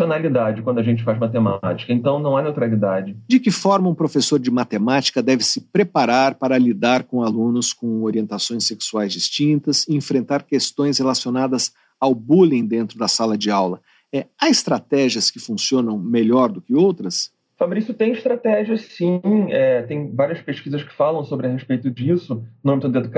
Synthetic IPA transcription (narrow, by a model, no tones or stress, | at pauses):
onalid̪ad͡ʒɪkwɐ̃ndʊaʒẽnt͡ʃɪfazmat̪ema̰t͡ʃi̥kɐẽnt̪ɐ̃w̃nɐ̃w̃anewt̪ɾalid̪ad͡ʒɪd͡ʒɪkɪfɔɾmɐũpɾofesoɾd͡ʒɪmat̪emat͡ʃi̥kɐd̪ɛvɪsɪpɾepaɾaɾpaɾɐlid̪aɾkõalũnʊskõw̃oɾiẽnt̪asõj̃seksuajzd͡ʒist͡ʃĩnt̪ɐsɪẽfɾẽnt̪aɾkest̪õj̃shelasionad̪ɐz | awbulĩj̃d̪ẽnt̪ɾʊd̪ɐsalɐd͡ʒɪawlɐ | ɛɐzɪst̪ɾat̪ɛʒiɐskɪfũsiõnɐ̃w̃meʎɔɾd̪ʊkɪowt̪ɾɐs | fabɾisjʊt̪ẽj̃ɪʃt̪ɾat̪ɛʒiɐssĩɛt̪ẽj̃vaɾiɐspeʃkizɐskɪ̥falɐ̃w̃sobɾɪɐheʃpejt̪ʊd͡ʒisʊnõmɪt̪ɐ̃d̪ed̪uk